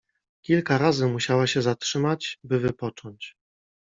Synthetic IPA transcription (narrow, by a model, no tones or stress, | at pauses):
kʲilkaɾazɘmuɕawaɕɛzatʂɘmat͡ɕbɘvɘpɔt͡ʂɔɲt͡ɕ